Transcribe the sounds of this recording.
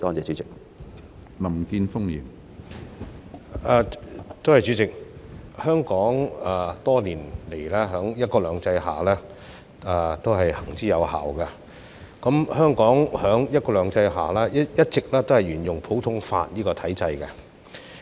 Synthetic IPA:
t̪ɔː˥t͡sɛː˨˩t͡ʃyː˨˥t͡sɪ˨k̚ | nɐ˨˩mkiː˧nfʊ˥ŋjiː˨˩n | ɛ˨˧t̪o˥whɐ˨jt͡syː˨˥t͡sɪ˨k̚hœː˥ŋkɔː˨˥ŋɛ˨t̪ɔː˥liː˨˩nle˨˩jlɛː˥ɦœː˨˥ŋjɐ˥t̚kɔː˧lœː˨˧ŋt͡sɐ˧jɦa̰ː˨˩lɛː˥ | ɛ˨t̪o˥wɦɐ˨jhɐ˨˩ŋt͡siː˥jɐ˨˧wha̰ː˨wkɐ˧ | kɐ˨˦˥mhœː˥ŋkɔː˨˥ŋhœː˨˥ŋjɐ˥t̚kɔː˧lœː˨˧˥ŋt͡sɐ˧jɦa̰ː˨˩lɛː˥jjɐ˥t̚t͡sɪ˨k̚lɛː˥t̪o˥hɐ˨˩jɥyː˨˩njʊ˨ŋpʰo˨˥wt̪ʰʊ˥ŋfa̰ː˧t̚jiː˥kɔː˧t̪ʰɐ˨˥jt͡sɐ˧jkɛ˧

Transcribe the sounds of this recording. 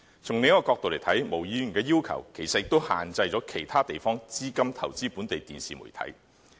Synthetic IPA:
t͡sʰʊ˨˩ŋe˨˧jɐ˥kɔ˧kɔː˧k̚t̪o˨wle˨˩jt̪ʰɐ˨˥jmo˨˩wjiː˨˧jy˨˩nkɛː˧jiː˥wkʰɐ̰˨˩wkʰe˨˩jsɐt̚jɪ˧k̚t̪o˥wha̰ː˨˩nt͡sɐ˧jt͡sɔː˨˥kʰe˨˩jt̪ʰaː˥t̪e˨jfɔː˥ŋt͡siː˥kɐ˥mt̪ʰɐ˨˩wt͡siː˥puː˨˥nt̪e˨jt̪iː˨nsiː˨mṵ˨˩jt̪ʰɐ̰˨˥j

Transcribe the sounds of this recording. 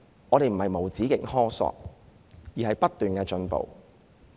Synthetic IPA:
ŋɔː˨˧ɾe˨jm̩˨˩hɐ˨jmo˨˩wt͡siː˨˥kɪ˨k̚hɔː˥sɔ̰ː˧k̚ | jiː˨˩hɐ˨jpɐ˥tt̪ːyː˨nkɛː˧t͡ʃɵ˧npo̰˨w

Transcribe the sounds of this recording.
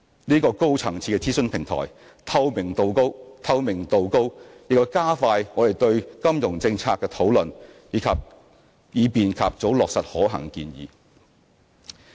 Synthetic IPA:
niː˥kɔː˧ko˥wt͡sʰɐ˨˩ŋt͡sʰiː˧kɛ˧t͡sʰiː˥sɵ˥npʰɪ˨˩ŋt̪ʰɔ̰ː˨˩j | t̪ʰɐ˧wmɪ˨˩ŋt̪o˨˩wko˥wt̪ʰɐ˧wmɪ˨˩ŋt̪o˨wko˥wjɪ˨k̚ːɔ˨˩kaː˥faː˧jŋɔː˨˧d̪e˨˩jt̪ɵ˧ɥkɐ˥mjʊ˨˩ŋt͡sɪ˧ŋt͡sʰaː˧kːɛː˧t̪ʰo˨˥wlɵ˨njiː˨˥kʰɐ˨p̚ | jiː˨˧piː˨nkʰa̰˨p̚t͡so˨˥wlɔː˨k̚sɐ˨t̚hɔː˨˥ɦɐ̰˨˩ŋkiː˧njḭː˨˧

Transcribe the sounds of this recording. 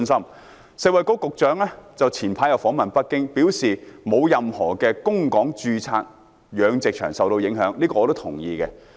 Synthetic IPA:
nsɐ˥m | sɪ˧wɐ˨˧jko˨˥wkʊ˨k̚t͡ʃœː˨˥ŋlɛː˥t͡sɐ˨wt͡sʰiː˨˩npʰaː˧jɐ˨˧wfɔː˨˥ŋmɐ˨npɐ˥t̚kɪ˥ŋpi˨˥wsiː˨mo˨˧wjɐ˨mhɔː˨˩kɛ˧kʊ˥ŋkɔː˨˥ŋt͡ʃyː˧t͡sʰa̰ː˧k̚ | jœː˨˧ŋt͡sɪ˨k̚t͡ʃʰœː˨˩ŋsɐ˨wt̪o˧wjɪ˨˥ŋɦœː˨˥ŋliː˥kɔː˧ɔː˧t̪wt̪ʰʊ˨˩ŋjiː˨˧kɛ˧

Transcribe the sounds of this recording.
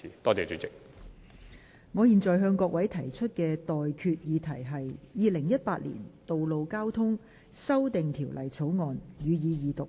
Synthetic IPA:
i˨˧t̪ɔː˥t͡sɛː˨t͡ʃyː˨˥t͡sɪ˨k̚ | ŋɔː˨˧jiː˨˩nt͡sɔː˨˩jɦœː˧ŋkɔː˧k̚wɐ˨˥jt̪ʰɐ˨˩jt͡ʃʰɵ˥t̚kɛː˧t̪ɔː˨jkʰyː˧t̚jiː˨˧t̪ʰɐ˨˩jɦɐ˨jjiː˨lɪ˨˩ŋjɐ˥t̚paː˧t̚lḭː˨˩nt̪o˨wlo˨wkaː˥wt̪ʰʊ˥ŋ | sɐ˥wt̪ɪ˨ŋt̪ʰiː˨˩wlɐ˨˩jt͡sʰo˨˥wŋɔː˨njyː˨˧jiː˨˧jiː˨t̪ʊ˨

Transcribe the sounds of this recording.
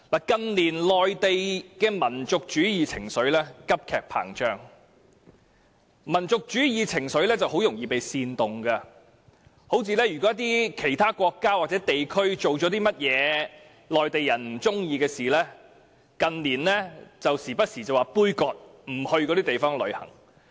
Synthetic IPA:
laː˨˩kɐ˧nliː˨˩nlɔː˨jt̪e˨jkɛː˧mɐ˨˩nt͡sʊ˨k̚t͡ʃyː˨˥jiː˨˧t͡sʰɪ˨˩ŋsɵ˨˥ɥlɛː˥kɐ˥p̚kʰɛː˨k̚pʰa̰ː˨˩ŋt͡ʃœː˥ŋ | mɐ˨˩nt͡sʊ˨k̚t͡ʃyː˨˥jiː˨˧t͡sʰɪ˨˩ŋsɵ˨˥ɥlɛː˥t͡sɐ˨who˨˥wjʊ˨˩ŋjiː˨pe˨jsiː˧nt̪ʊ˨ŋɡɐ˧ | ho˨˥wt͡siː˨˧lɛː˥jyː˨˩kɔː˨˥jɐ˥t̪iː˥kʰe˨˩jt̪ʰaː˥kʷɔː˧kːaː˥wa˨t͡sɛ˨˥t̪e˨jkʰɵ˥ɥt͡so˨wt͡ʃɔː˨˥t̪iː˥mɐ˥t̚jɛː˨˧˦ | lɔː˨˩jt̪e˨jɐ˨˩nm̩˨˩t͡sʊ˥ŋjiː˨˧kɛː˧siː˨˩lɛː˥ | kɐ˨nliː˨˩nlɛː˥t͡sɐ˨wsiː˨˩pɐ˥t̚siː˨˩t͡sɐ˨waː˨˩puː˥jkɔː˧k̚m̩˨˩hɵ˧ɥkɔː˨˧˥ɾiː˥t̪e˨jfɔː˥ŋlɵ̰˨˧ɥhɐ̰˨˩ŋ

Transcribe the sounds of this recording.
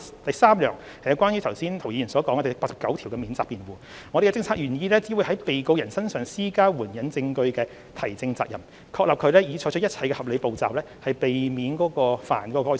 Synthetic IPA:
t̪ɐ˨jsaː˥mjœː˨˩ŋ | hɐ˨jwkʷaː˥njy˧˥t̪ʰwsiː˥nt̪ʰwji˨˧˨nsɔː˨˥kɔː˨˥ŋkɛ˧t̪paː˧t̚sɐ˨p̚kɐ˨˥wt̪ʰi˨˩wkɛ˧miː˨˥nt͡saː˧k̚piː˨nwuː˨ | ŋɔː˨˧ɾe˨˩˧ɛ˧t͡sɪ˧ŋt͡sʰaː˧k̚jyː˨˩njiː˧lɛ˥t͡siː˨˥wu˨˧˥jhɐ˨˥jpe˨jko˧wjɐ˨˩nsɐ˥nsœː˨ŋsiː˥kaː˥wuː˨˩njɐ˨˥nt͡sɪ˧ŋkɵ˧ɥkɛː˧ | t̪ʰɐ˨˩jt͡sɪ˧ŋt͡sa̰ː˧k̚jɐ˨˩m | kʰɔː˧k̚lɐ˨p̚kʰɵ˨˧ɥlɛː˥jiː˨˧t͡ʃʰɔː˧˥jt͡ʃʰt̚jɐ˥t̚t͡sʰɐ˧jkɛ˧hɐ˨p̚le˨˧jpo˨wt͡sa̰ː˨˩wlɛː˥hɐ˨˩jpe˨jmiː˨˥nkɔː˨˥kɔː˧fa̰ː˨˩nkɔː˨˦˥kɔ˧kɔː˥

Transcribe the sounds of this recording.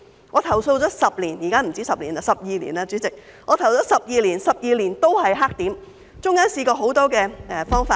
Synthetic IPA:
ŋɔː˨˧t̪ʰɐ˨˩wso˧wt͡sɔː˨˥sɐ˨p̚liː˨˩njiː˨kaː˥m̩˨˩t͡siː˥sɐ˨p̚lḭː˨˩na˧sɐ˨p̚jiː˨˧lḭ˨˩na˧t͡syː˨˥t͡sɪ˨k̚ | ŋɔː˨˧t̪ʰɐ˨˩wt͡sɔː˨˥sɐ˨p̚jiː˨˧liː˨˩nsɐ˨p̚jiː˨˧liː˨˩nt̪o˥whɐ˨jɦaː˥k̚t̪iː˨˥m | t͡sʊ˥ŋkaː˥nsiː˧kɔː˧ɦo˨˥wt̪ɔː˥kɛː˧ɛ˧fɔː˥ŋfaː˧

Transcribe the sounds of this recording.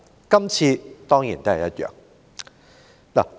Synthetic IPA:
kɐ˥mt͡sʰiː˧t̪ɔː˥ŋjḭ˨˩nt̪o˥hɛ˨˩jɐ˥t̪̚ɥœ̰ː˨˩ŋ | na̰˨

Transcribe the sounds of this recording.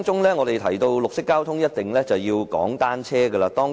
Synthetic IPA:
ŋt͡sʊ˥ŋlɛː˥ŋɔː˨˧ɾe˨jt̪ʰɐ˨˩jt̪o˧wlʊ˨k̚sɪ˥kːaː˥wt̪ʰʊ˥ŋjɐ˥t̚t̪ɪ˨ŋlɛ˥t͡sɐ˨wjiː˧wkɔ̰ː˨˥ŋt̪aː˥nt͡sʰɛː˥ɡə˧laː˧t̪ɔː˥ŋ

